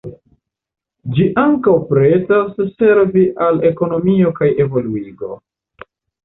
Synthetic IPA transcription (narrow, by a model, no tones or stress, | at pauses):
d͡ʒiʔaŋkawpɾe̞tasse̞ɾviʔale̞ko̞no̞mio̞kaje̞vo̞luiɡo̞̰